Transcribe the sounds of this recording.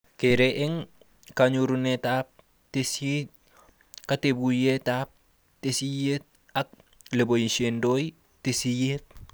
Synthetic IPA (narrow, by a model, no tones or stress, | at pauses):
keɾeʔeŋ | kaɲuɾunetaːp̚ | tesi | katebujetap̚ | tesijet̚ | ak̚ | lebojisendoːj | tesijet̚